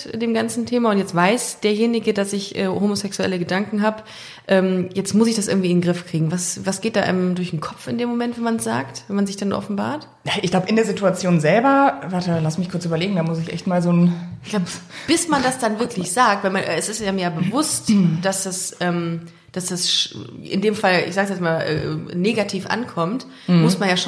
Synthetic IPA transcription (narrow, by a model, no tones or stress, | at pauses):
deːmɡant͡sn̩tʰeːmaʊntjɛt͡stv̥aɪsd̥eːɐjeːnɪɡədasɪçʔɛ̰ːhoːmosɛksuɛ̰ləɡədaŋkŋ̩ɦaːp | ʔɛːmjɛt͡stmʊsɪçd̥asʔɪ̰ɐɡŋ̩tv̥iːɪnɡʁɪfkʁ̥iːɡŋ̩vasvasɡ̥eːt̚d̥aːʔaɪnəmdʊɐçnkʰɔpp͡fɪndeːmːomɛntvɛnmansz̥a̰ːktvɛnmanzɪçd̥anʔɔ̰fn̩ba̰ːɐt | naʔɪçɡ̥laʊbəɪndeːɐzɪtuat͡sjoːnzɛlbɐvaːtəlasmɪçkʰʊɐt͡syːbɐleːɡŋ̩damʊsɪçʔɛ̰çtmaːlzoːnɡ̥lapb̥ɪsmandasd̥anvɪɐklɪçz̥aːk̚tvalmanʔɛsɪstjamiɐjabəvʊstd̥asd̥asʔɛːm | d̥asd̥asʃʔɪ̰ndeːmfalɪ̰çzaːɡəs̬jɛt͡smaːlʔɛ̰ːɛ̰ːneːɡatʰiːfʔa̰nkʰɔmt | mʊsmanjaːʃ